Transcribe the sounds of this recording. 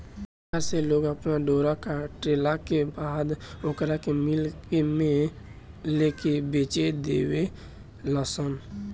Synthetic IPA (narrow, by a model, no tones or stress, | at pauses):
əɾseloːɡəpnaɖoːɾakaʈɾeːlakebaːd̪ʊkəɾakemɪlkemẽ | leːkebeːt͡ʃed̪ḛːwe | ləsən